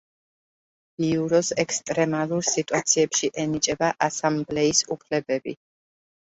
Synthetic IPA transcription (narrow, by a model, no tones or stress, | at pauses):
iuɾɔsɛkst̪ʼɾɛmalˠuɾsit̪ʼuat̪sʰiɛpʃiʔɛnit͡ʃʼɛbaʔasamblɛisupʰlɛbɛbḭ